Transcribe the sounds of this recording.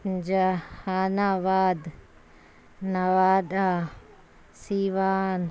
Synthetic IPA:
d͡ʒɐhaːnaːʋaːd̪ | nɐʋaːd̪aː | siːʋaːn

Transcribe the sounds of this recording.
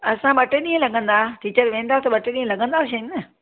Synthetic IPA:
ɐsãɓɐʈeɗĩːɦə̃lɐɠə̃nd̪aʈiːt͡ɕəɾʋẽːnd̪aːt̪ɐɓɐʈeɗĩːə̃lɐɠə̃nd̪aːʃɐənə

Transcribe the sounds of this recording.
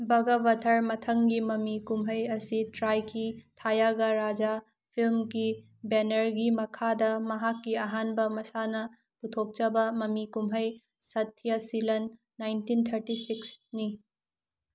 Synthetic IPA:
bɐɡɐbɐtʰɐɾmɐtʰɐŋɡimɐmikumɦɐjɐsitɾajkʰitʰajaɡaɾad͡ʒa | pʰilmɡi | benɐɾɡimɐkʰadɐmɐɦakːiɐɦanbɐmɐsanɐ | putʰok̚t͡ʃɐbɐmɐmikumɦɐj | sɐtʰːijɐsilɐnː | ajntint̪ʰɐɾtisiksni

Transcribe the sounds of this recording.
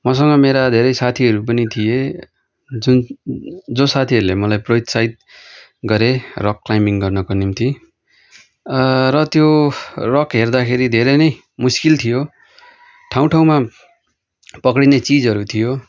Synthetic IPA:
mʌs̬ʌŋɡʌmeɾad̪ʱeɾʌjsat̪ʰiʌɾup̬ʌnit̪ʰije | d͡zun | d͡zosat̪ʰiʌɾulemʌlajprojt̪sait̪̚ | ɡʌɾerʌkːlajmiŋɡʌrnʌkonimt̪ʰi | rʌt̪jorʌkɦerd̪akʰeɾid̪ʱeɾʌjnʌj | muskilt̪ʰijo | ʈʰaw̃ʈʰaw̃ma | pʌkɽinet͡sid͡zɦʌɾut̪ʰijo

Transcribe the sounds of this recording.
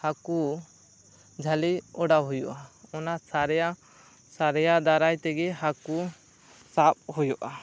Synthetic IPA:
haku | d͡ʒʱaliɔɖawɦujɔʔaɔnasaɾɛa | saɾɛjad̪aɾajt̪ɛɡɛɦaku | sap̚hujɔʔa

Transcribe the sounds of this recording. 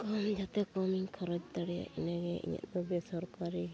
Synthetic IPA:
kɔmd͡ʒat̪ɛkɔmiŋkʰɔɾɔd͡ʒt̪aɽija̰ʔḭnaɡɛʔḭɲa̰t̪ɔbɛsɔɾkaɾi

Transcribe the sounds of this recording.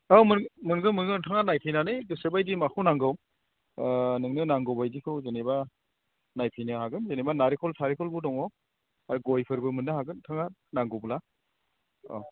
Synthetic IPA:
ɔmɯnmɯnɡɯmɯnɡɯtʰaŋanajpʰijnanɯjdusebajdimakʰuwnaŋɡɯw | nɯŋnɯnaŋɡɔbajdikʰɯwzeneba | najpʰijnɯhaɡɯmzenebanaɾikʰɔltʰaɾikʰɔlbudɔŋɔ | aɾuɡɔjpʰɯɾbɯmɯnːɯɦaɡɯntʰaŋanaŋɡɔbula | ɔ̰

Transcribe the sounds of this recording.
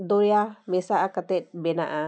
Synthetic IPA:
d̪oɾjamesaʔakat̪et̪̚bena̰ʔa

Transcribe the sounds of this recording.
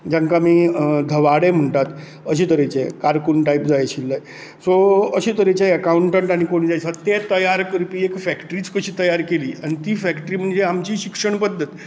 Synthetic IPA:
d͡ʑaŋkamiːd̪ʱəʋaɽem̤əɳt̪at̪ | əɕiːt̪əɾet͡ɕḛkaɾkuɳʈaipd͡zajɕilːəj | soəɕiːt̪əɾet͡ɕjajəkauɳʈeɳʈaɽ̃ikoɽ̃id͡zajsat̪et̪əjaɾkəɾpiːekfækʈɾiːt͡skəɕiːt̪əjaɾkeliːaɽ̃it̪iːfækʈəɾiːm̤əɳd͡zeamt͡ɕiːɕikʂəɳpəd̪ʱːət̪

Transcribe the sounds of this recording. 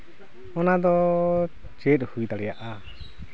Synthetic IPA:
ɔnad̪ɔ | t͡ʃɛt̪hujd̪aɽɛjaʔa

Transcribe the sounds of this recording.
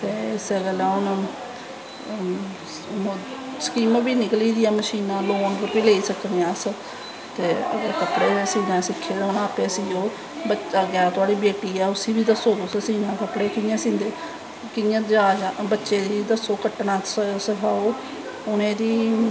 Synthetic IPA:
t̪eːɪseɡəlaːʊn | skiːmbiːnɪkliːd̪ɪjaːməʃiːnãːloːnɾəpiːleːiːsəknejãːs | t̪eːə̰ɡəɾkəpɽeːsiːnãːsɪkʰːeːd̪ʊnaːpeːsiːoː | bəaːɡɪaːt̪ʊaːɽiːbeːʈiːɛːʊsiːbiːd̪əsoːt̪osesiːnãːkəpɽeːkɪjãːsĩːnd̪eː | kɪjãːd͡ʒaːd͡ʒabətːʃeːd͡ʒ̪iːd̪əsoːkəʈːɳãːsskʰaːoː | ʊnẽːd̪iː

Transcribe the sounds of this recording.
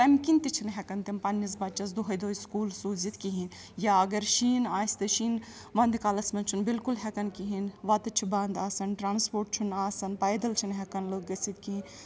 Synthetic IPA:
pɐmkint̪it͡ʃʰinɦɛkɐnt̪impɐnːis̬bɐt͡ʃɐs̬d̪uɦɐjd̪oːjskuːlsuːzit̪kiɦin | jaɐɡɐɾʃiːnaːsʲt̪ɐʃiːn | ʋɐnd̪kalɐsmɐnt͡ʃʰunbilkulɦɛkɐnkiɦinʋɐt̪ɨt͡ʃʰibɐnd̪aːsɐnʈɾaːnspoːɾʈ̚t͡ʃʰunaːsɐnpɐjd̪ɐlt͡ʃʰinɦɛkɐnloɡɐsit̪̚kiɦĩn

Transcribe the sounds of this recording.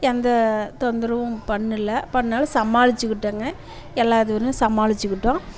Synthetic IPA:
ɛnd̪ɐt̪ɔnd̪ɪɾɐʋʊ̃pɐɳːɪlːɐpɐɳːaːlɐsɐmːaːlɪt͡ʃːɯkːɪʈːɐŋɡɐ | ɛlːaːðɯʋɐnːɯ̃sɐmaːlɪt͡ʃːɯkːɪʈːõː

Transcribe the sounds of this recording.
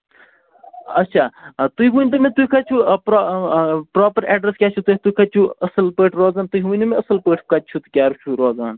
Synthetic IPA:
ɐtːʃʰaːt̪uiɦuːnʲt̪ɐmẽt̪ukʰɐt͡ʃʰupɾ | pɾɔːpəɾɛːɖɾeskʲaːt͡ʃʰut̪eɦt̪ukʰɐt͡ʃʰuɐsɐlpəːʈʰɾoːzaːnt̪uiɦunumeɐsɐlpəːʈʰkɐt̪̚t͡ʃʰut̪kʲaːɾut͡ʃʰuɾoːzaːn

